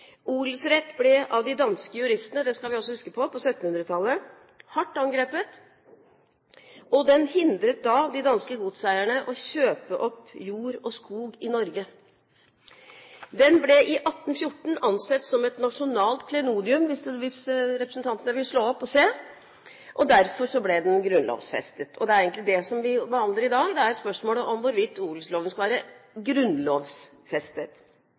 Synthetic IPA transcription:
ulsɾɛt̪ːblɛʔɑʋd̪ɪd̪ɑnskəjʉɾɪst̪ənəd̪ɛskɑlʋɪɑls̬ɔhʉskəpʰɔpʰɔsœt̪ːnhʉnɾət̪ʰɑlːə | hɑʈːɑŋɡɾeːpət̪ | ɔd̪ɛnhɪnd̪ɾət̪̚d̪ɑd̪ɪd̪ɑnskəɡuːt̪sæɪæɳəʔɔɕøːpəʔɔpːjuːɾɔskuːɡɪnɔɾɡə | d̪ɛnblɛʔɪʔɑt̪ːn̩fjʊʈːɳ̩ɑnsɛt̪ːsɔmɛt̪nɑʂʊnɑːlt̪kʰlɛnuːd̪ɪʉmʋɪsʋɪsɾɛpɾəsn̩t̪ʰɑnt̪ənəʋɪlːəʂɭoːɔpːɔseː | ʔɔd̪æɾfɔʂɔblɛd̪ɛnɡɾʉnlo̰ːʋsfɛ̰st̪ət̪ʰɔd̪ɛæɾeɪɡnt̪lɪd̪ɛsɔmʋɪbəhɑnləɾɪd̪ɑːɡd̪ɛæɾspœʂmoːləʔɔmʋʊɾʋɪt̪ʰːuːɡləsloːʋənskɑlʋːɾəɡɾʉnloːʋs | fɛst̪ət̪

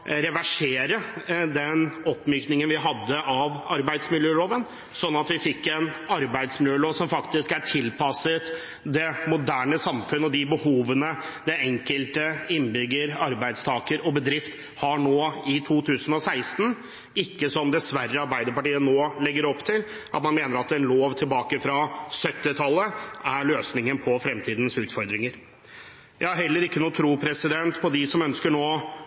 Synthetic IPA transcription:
ɾɛʋæʂeːɾəd̪ɛnɔpːmyːknɪŋənʋɪɦɑd̪ːəʔɑʋɑɾbæɪd̪smɪljøːloːʋən | sɔnːɑt̪ʋɪfɪkːɛnɑɾbæɪd̪smɪljøːloːʋsɔmfɑkt̪ɪskæʈʰɪlpɑsət̪ | d̪ɛmʊd̪æːɳəsɑmfʉnəɔd̪ɪbəhuːʋənə | d̪ɛɛŋkəlt̪əɪnbʏɡːəɾɑɾbæɪd̪st̪ʰɑːkəɾɔbəd̪ɾɪft̪ | hɑɳoːɪt̪ʰuːt̪ʰʉːsən̩ɔsæɪst̪n̩ | ɪkːəsɔmd̪ɛsʋærːəɑɾbæɪd̪əɾpɑʈiːənoːlɛɡːəɾɔpt̪ʰɪl | ʔɑt̪mɑnmeːnəɾɑt̪ɛnloːʋt̪ʰɪlbɑːkəfɾɑsœt̪ːɪt̪ʰɑlːəæɭøːsnɪŋənpʰɔfɾɛmt̪ʰiːd̪ən̩sʉːt̪fɔɾd̪ɾɪŋəɾ | jæɪhɑɾɦɛlːəɾɪkːənuːt̪ʰɾuːpʰɾɛsɪd̪ɛnt̪pʰɔd̪ɪsɔmœnskəɳoː

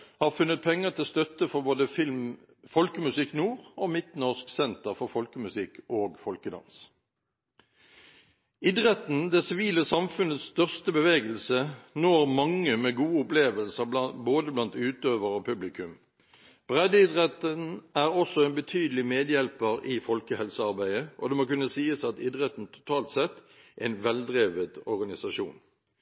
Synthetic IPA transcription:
hɑːʁfʉnːət̪̚pʰɛŋːəʁt̪ʰɪlst̪œt̪əfɔʁboːd̪əfɪlm | fɔlkəmʉsɪkːnuːʁoːmɪt̪nɔʁsksɛnt̪əʁfɔʁfɔlkəmʉsɪkʰːoːɡfɔlkəd̪ɑ̰ns | ɪd̪ʁɛt̪n̩d̪ɛsɪʋiːləsɑmfʉnət̪st̪œʁst̪əbəʋeːɡəlsənoːʁmɑŋːəmeːɡuːəʊpleːʋəlsəboːd̪əblɑnt̪ʉːt̪øːʋəʁoːpʰʉblɪkʰʉm | b̥ʁɛd̪əɪd̪ʁɛt̪ənæːʁɔsːɔɛnbət̪ʰyːd̪lɪmeːd̪jɛlpəʁɪfɔlkəhɛlsəɑʁbæɪəʔɔ̰d̪ɛmokʉnːəsiːəsɑt̪ɪd̪ʁɛt̪n̩t̪ʰʊ̥t̪ʰɑːlt̪sɛt̪ː | ʔɛɪnʋɛld̪ʁeːʋəd̪ɔʁɡɑnɪsɑʃṵːn

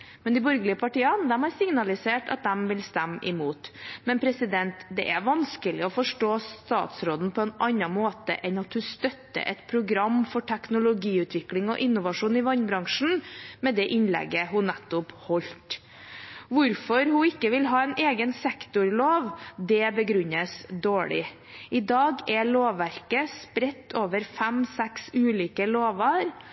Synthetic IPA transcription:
mɛnd̪ɪbɔɾɡlɪəpʰɑʈiːənd̪ɛmhɑɾsɪŋnɑlɪseːʈɑ̰t̪̚d̪ɛmʋɪlst̪ɛmːʔɪmuːt̪mɛnpʰɾɛsɪd̪ɛnt̪d̪ɛ̰ʔæɾʋɑnskəlɪɔfɔʂʈoːst̪ɑ̰ːt̪sɾoːd̪n̩pʰɔɛnɑnːɑnmoːt̪ə̰ʔɛnɑt̪hʉst̪œt̪ːə̰ʔɛ̰t̪pʰɾʊɡɾɑmːfɔʈʰɛknʊlʊɡiːʉːt̪ʰʋɪklɪŋɔ̰ʔɪnːʊʋɑʂuːnɪʋɑnbɾɑŋʂɳn̩mɛd̪ɛʔɪnlɛ̰ɡəɦʊnɛt̪ːʊphɔʎt̪ | ʋʊɾfɔɾhʊɪkːəʋɪlɦɑːɛnʔeːɡənsɛkt̪ʊɾloːʋd̪ɛbəɡɾʉnəsd̪oːɭɪ̰ | ɪd̪ɑːɡɛɭoːʋːæɾkəspɾɛt̪ːoːʋəɾfæmsɛksʉːliːkəloːʋɑɾ

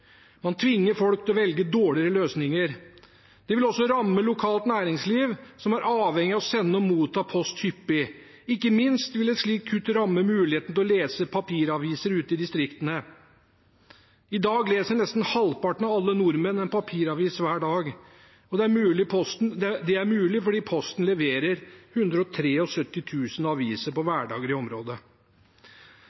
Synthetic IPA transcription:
mɑnt̪ʰʋɪŋːəɾfɔlk̚t̪ʰɛlɔʋɛlɡəd̪oːɭɪɾəløːsnɪŋəɾ | d̪̥ɛʋɪlɔsːɔɾɑmːəlʊkʰɑːlt̪næːɾɪŋsliːʋsɔmæɾʔɑːʋhɛŋːɪɑɔsɛnːəɔmuːt̪ʰːɑːpʰɔst̪hʏpːɪ | ɪkːəmɪnst̪ʋɪlɛt̪ʂɭiːkʰːʉt̪ːɾɑmːəmʉːlɪheːt̪nəlɔleːsəpʰɑpʰiːɾɑʋiːsəɾʉːt̪əɪd̪ɪst̪ɾɪkt̪ənə | ɪd̪ɑːɡleːsənɛst̪nhɑlpɑʈɳ̩ɑɑlːənʊɾmənɛnpʰɑpʰiːɾɑʋiːsʋæːɖɑːɡ | ɔd̪ɛæɾmʉːlɪpʰɔst̪nd̪ɛd̪ɛæɾmʉːlɪfɔɖiːpʰɔst̪n̩lɛʋeːɾəɾhʉnd̪ɾəɔt̪ʰɾeːɔsœt̪ːɪt̪ʰʉːsənɑʋiːsəɾpɔʋæːɖɑ̰ːɡəɾɪɔmɾoːd̪ə

